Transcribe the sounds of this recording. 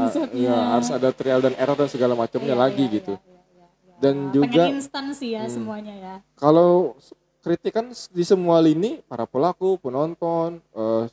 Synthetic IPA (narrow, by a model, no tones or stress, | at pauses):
ijaɦaɾʊsadat̪ɾialdaneɾar̚dansəɡalamat͡ʃamɲalaɡiɡit̪u | dand͡ʒuɡainst̪ansijasəmuaɲajakalaw | kəɾit̪ikandisəmualinipaɾapəlakupənɔnt̪ɔnə